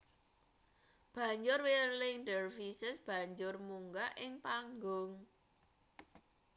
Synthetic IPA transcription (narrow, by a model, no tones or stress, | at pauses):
b̥ä̤ɲd͡ʒʊrwirlɪŋɖərfisəsb̥a̤ɲd͡ʒʊrmuŋɡaʔɪŋpaŋɡʊŋ